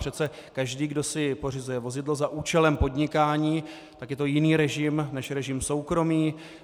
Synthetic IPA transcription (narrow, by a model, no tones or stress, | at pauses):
r̥ɛt͡sɛ | kaʒdiːɡdo̞sɪpor̝ɪzujɛvo̞zɪdlo̞zaʔuːt͡ʃɛlɛmpo̞dɲɪkaːɲiː | t̪akjɛt̪o̞jɪniːɾɛʒɪmnɛʃɾɛʒɪmso̞wkɾo̞miː